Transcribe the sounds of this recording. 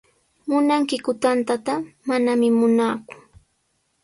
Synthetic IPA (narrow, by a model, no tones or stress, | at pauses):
mʊnaŋkɪkʊt̪ant̪at̪amanamɪmʊnaːkʊ̥